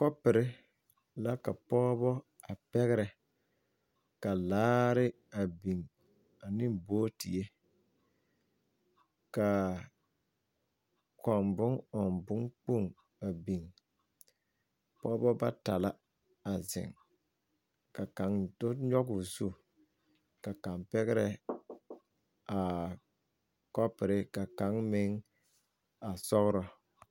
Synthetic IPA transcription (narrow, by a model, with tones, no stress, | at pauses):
kɔ˦pɪ˨ɾɪ˦ | la˦ka˨pɔː˦bɔ˦ | a˨pɛ˦ɣɪ˦ɾɛ˨ | ka˨laː˦ɾɪ˦ | a˨bi˨ŋ | a˨nɪ˦mboː˦tḭ˨e˦ | ka˨ | kɔ˨mbʊ˦ŋɔ˨mbʊ˦ŋk͡po˦˨ŋ | a˨bi˨ŋ | pɔ˦bɔ˦ba˦ta˨la˦ | a˨zɪ̰˨ŋ | ka˨ka˨˦ŋdʊ˦ɲɔ˦kʊ˨zu˦ | ka˨ka˨mpɛ˦ɣɪ˦ɾɛ˦ | a˨ | kɔ˦pɪ˨ɾɪ˦ka˨ka˨˦ŋmɪ˦ŋ | a˨sɔ˦ɣɾɔ˦